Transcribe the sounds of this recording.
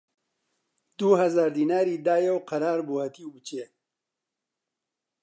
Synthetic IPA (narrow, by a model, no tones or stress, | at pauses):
d̪̥uɦɐzaːɾd̪iːnaːɾiːd̪aːjewqɐɾaːɾbuhɐt̪iut͡ʃeː